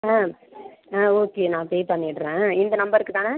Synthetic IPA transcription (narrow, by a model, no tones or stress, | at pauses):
aː | aːoːkeːnãːpeːpɐɳːɪʈːɾẽːɪnd̪ɐnɐmbɐɾɪɾɯkːɯt̪ãːna